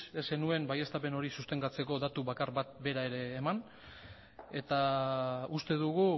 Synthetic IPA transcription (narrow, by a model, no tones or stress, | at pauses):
ese̞nue̞mbaje̞st̪ape̞no̞ɾisust̪e̞ŋɡat͡se̞ko̞ðat̪uβakaɾβat̪̚be̞ɾae̞ɾe̞ːman | e̞t̪a | ust̪e̞ðuɣu